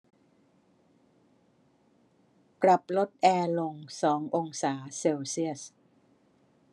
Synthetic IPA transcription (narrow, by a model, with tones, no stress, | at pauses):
pɾa˨˩p̚lo˦˥t̪̚ʔɛː˧lo˧ŋsɔː˩˦ŋʔo˧ŋsaː˩˦seː˧wsi˥˩əs